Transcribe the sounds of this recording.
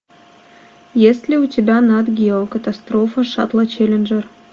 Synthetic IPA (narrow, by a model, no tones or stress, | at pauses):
jesʲlʲɪʊtʲɪbʲanad̪ɡʲɪokət̪ɐst̪ɾofəʂa̰t̪lˠət͡ɕelʲɪnʐər